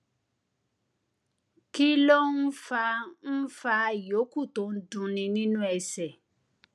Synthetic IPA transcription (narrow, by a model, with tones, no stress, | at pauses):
ki˦lo˦n̩˦fa˧n̩˦fa˧˨jo˨˦ku˦˨to˨˦n̩˦dũ˧nĩ˧nĩ˦nũ˦ɛ˧sɛ˨